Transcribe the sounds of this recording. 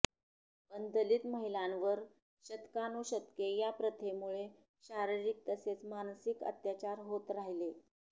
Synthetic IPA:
bənd̪əliːt̪məɦilãnʋəɾ | ɕət̪kanuɕət̪kejapɾət̪ʰemuɭe | ɕaɾiɾik̚t̪əset͡smansikə̰t̪jat͡ɕaɾɦot̪ɾaɦile

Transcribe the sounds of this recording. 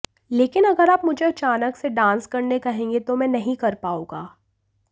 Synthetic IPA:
leːkɪnɐɡəɾaːpmʊd͡ʒʱeɐt͡ʃaːnəkseɖãːnskɐɾnekɐɦẽːŋɡet̪omɛ̃ːnɐɦĩkɐɾpaːũːɡaː

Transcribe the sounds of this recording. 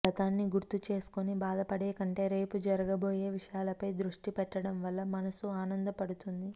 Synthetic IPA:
ɐt̪aːnːiɡuɾt̪ut͡ʃe̞ːsu̥konibaːd̪ɐpɐɽeːkɐɳʈe̞ːɾe̞ːpud͡ʒɐɾɐɡɐbo̞ːje̞ːʋiʂɐjaːlɐpɐjd̪ɾuʂʈipɛʈːɐɽɐmʋɐlːɐmɐnɐsuaːnɐnd̪ɐpɐɽut̪und̪i

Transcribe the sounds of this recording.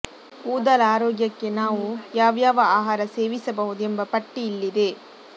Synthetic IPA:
puːd̪ɐlaːɾoːɡjɐkːe̞naːʋujaːʋjaːʋɐaːɦaːɾɐseːʋisɐbɐɦud̪uembɐpɐʈːiːlːid̪e̞

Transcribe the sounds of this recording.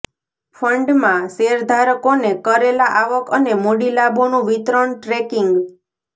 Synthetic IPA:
fʰəɳɖmãseɾd̪ʱaɾəkonekəɾelaʔaʋəkənemoɽilabʱonũʋit̪ɾəɳʈɾekiŋɡ

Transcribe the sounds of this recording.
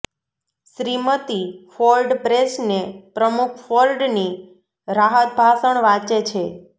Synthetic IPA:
ʃɾimət̪ifolɖpɾesnepɾəmukʰfolɖni | ɾaɦət̪̚bʱasəɳʋat͡ʃet͡ʃʰe

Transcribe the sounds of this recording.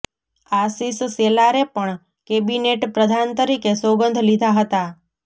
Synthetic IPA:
asisselaɾepəɳ | kebineʈpɾəd̪ʱant̪əɾikesoɡənd̪ʱlid̪ʱaɦət̪a

